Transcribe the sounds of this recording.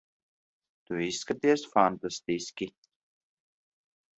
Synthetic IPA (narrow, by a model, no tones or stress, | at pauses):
t̪uiskət̪iəsfant̪əst̪iski